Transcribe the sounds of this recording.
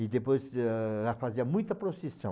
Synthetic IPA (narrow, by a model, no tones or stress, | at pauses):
id̪epojzlɐfaziɐmũj̃t̪ɐpɾosisɐ̃